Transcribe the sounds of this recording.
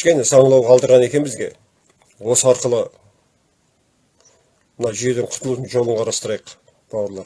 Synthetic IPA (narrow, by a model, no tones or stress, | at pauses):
ʃkʲe̞nɪsɑɴəlˠɑwqʰɑlˠd̪əɾʁɑne̞kʲe̞nmɪzɡʲe̞̰ | wo̞səɑɾqəlˠə | mənɑʒije̞d̪eɴqʰʊ̥t̪əlˠud̪ənʒo̞lˠəɴqʰɑɾɑst̪əɾɑjəq | b̥ɑwəɾlˠɑɾ